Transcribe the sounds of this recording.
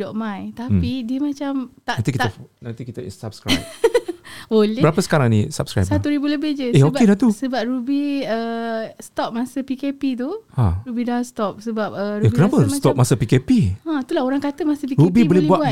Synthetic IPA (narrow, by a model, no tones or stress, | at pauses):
dɔʔmãjt̪apidiəmat͡ʃamt̪aant̪ikit̪əfnant̪ikit̪əḭnsap̚skɾa̰ | bolɛbəɾapəsə̥kaɾaŋnḭsap̚skɾa̰jsat̪uɾibuləbɪhd͡ʒəeobedat̪usəbap̚ɾubiəst̪ɔp̚masəpikepit̪̬ua̰ɾubidast̪ɔp̚səbap̚əɾujabikənapəst̪ɔpp̚masəpikepiãt̪ulaoɾaŋkat̪əmasəpiɾubibolɛlbuaʔbua